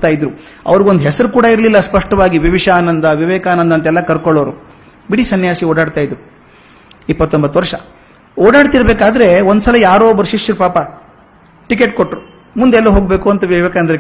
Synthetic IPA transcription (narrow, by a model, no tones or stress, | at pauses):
t̪aːjid̪ɾu | ɐ̰ʋɐɾiɡond̪ɦɛsɐɾukuːɽɐiɾlilːɐspɐʂʈɐʋaːɡiʋiʋiʂaːnɐnd̪ɐʋiʋɛːkaːnɐnd̪ɐnt̪ɐɛlːɐkɐɾkoɭːoːɾu | biɽisɐnjaːsioːɽaːɽt̪aːjid̪ɾu | ipːɐt̪ːombɐt̪ːʋɐɾʂɐ | oːɽaːɽt̪iɾɐbeːkaːd̪ɐɾe̞ond̪usɐlɐjaːɾoːbɐɾuʃiʂjɐɾupaːpɐ | ʈike̞ʈ̚koʈːɾu | mund̪ɛlːɐɦo̞ːɡ̚beːkuɐnt̪ɐʋiʋɛːkaɐnd̪ɾe